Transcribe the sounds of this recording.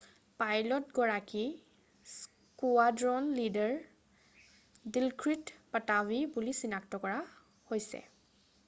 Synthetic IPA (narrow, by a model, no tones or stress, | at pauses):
pajlɔtɡɔɹaki | s | kuadɹɔnlidɛɹ | dilkɹitpatabibulisinaktɔkɔɹa | hojsɛ̰